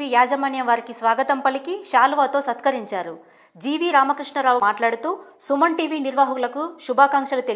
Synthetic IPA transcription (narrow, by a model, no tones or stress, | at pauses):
ijaːd͡ʒɐmɐɳjɐmʋaːɾikisʋaːɡɐt̪ɐmpɐlikiʃaːluʋaːt̪o̞ːsɐt̪kɐɾiɲt͡ʃaːɾu | d͡ʒiːʋiɾaːmɐkɾiʂɳɐɾaːʋumaːʈlaːɽut̪uːsumɐɳʈiːʋiːniɾʋaːɦɐlɐkuʃubʱaːkaŋkʂɐlut̪e